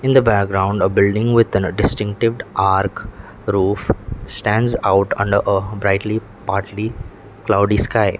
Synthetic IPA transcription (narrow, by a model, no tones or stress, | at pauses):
ɪ̃nd̪əbækɡɾãʊ̃ɳɖəbɪlɖɪ̃ŋʋɪd̪ə̃nɖɪsʈɪ̃ŋk̚ʈɪʋɖʔaːɾk | ɾuːfsʈæ̃nɖzaʊʈʌ̰̃ɳɖəɾʔəbɾaɪʈli | paːɾʈli | klaʊɖiskaɪ